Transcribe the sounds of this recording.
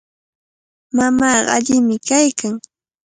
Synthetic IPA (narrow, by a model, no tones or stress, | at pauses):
mamɑːɢaʎɪmɪkajkaŋ